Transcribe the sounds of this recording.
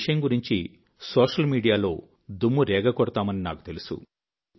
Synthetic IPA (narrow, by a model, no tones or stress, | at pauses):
ʂɐjɐmɡuɾiɲt͡ʃi | soːʂɐlmiːɽijaːlo̞ː | d̪umːuɾɛːɡɐkɔɽɐt̪aːmɐnina̰ːku̥t̪elusṵ